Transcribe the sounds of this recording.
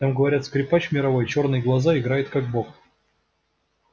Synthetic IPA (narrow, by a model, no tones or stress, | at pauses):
namɡəvɐɾʲat̪skɾʲɪpat͡ɕmʲɪɾɐvo̞jt͡ɕo̞rnɨjɡlˠɐzaɪɡɾajɪt̪kaɡ̚bok